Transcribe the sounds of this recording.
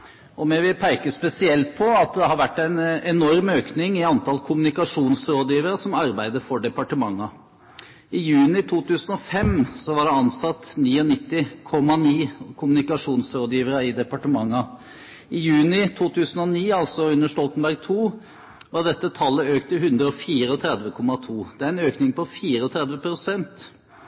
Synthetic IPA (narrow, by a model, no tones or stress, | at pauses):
ɔmɛʋɪlpʰæɪkəspɛsɪɛlt̪̚pʰɔɑt̪d̪ɛhɑɾʋæʈːæɪnɛnɔɾmøːknɪŋɪɑnt̪ʰɑlkʰʊmnɪkɑʂuːnsɾoːd̪jiːʋəɾəsɔmɑɾbæɪd̪əɾfɔɖɛpɑʈəmɑŋːɑ | ɪjʉːnɪt̪ʰuːt̪ʰʉːsən̩ɔfɛmsɔʋɑɖɛɑnsɑt̪ːniːɔnɪt̪ːɪkʰɔmːɑniːkʰʊmnɪkɑʂuːnsɾoːd̪jiːʋəɾɑɪd̪ɛpɑʈəmɑŋːɑ | ɪjʉːnɪt̪ʰuːt̪ʰʉːsən̩ɔniːɑlsɔʉnːəʂʈɔlt̪ənbæɾɡ̚t̪ʰuː | ʋɑʁɖ̪ɛt̪ːət̪ʰɑlːəøːkt̪əhʉnd̪ɾəɔfiːɾəɔt̪ʰɾɛd̪ʋəkʰɔmːɑt̪ʰuːd̪̥ɛæɾɛnøːknɪŋpɔfiːɾəɔt̪ʰɾɛd̪ʋəpʰɾʊsɛnt̪